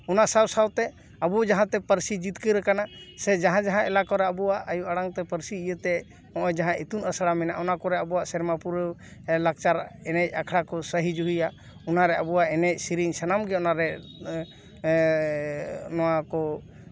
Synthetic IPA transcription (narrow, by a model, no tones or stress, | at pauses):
ɔnaʔsawsawt̪ɛ | abud͡ʒaɦãt̪ɛpəɾsid͡ʒit̪̚kəjɾəkanasɛd͡ʒaɦãd͡ʒaɦãɛlakɔɾɛabuwaʔʔːjuʔaɽaŋt̪ɛpəɾsiːjət̪ɛ | ɔ̃ʔɔjd͡ʒaɦãʔit̪unəsaɽamɛnaʔɔnakɔɾɛabuwaʔsɛɾmapuɾəlak̚t͡ʃaɾɛnɛc̚ˀakʰɽakɔsəɦid͡ʒuɦija | ɔnaɾɛabuwaʔɛnɛc̚siɾiŋsanamɡɛɔnaɾɛ | nɔwakɔ